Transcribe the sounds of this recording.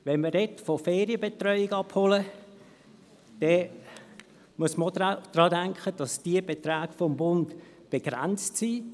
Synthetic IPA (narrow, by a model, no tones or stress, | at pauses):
ʋɛnmədɛtfofeːɾiəbetrœʏɪɡɑpholə | d̥ɛ | muəsməod̥ɾɑːdæŋkχəd̥ɑsd̥iəbet̪ɾaːɡfɔmbʊntb̥eɡ̥ɾæ̰nt͡stsiː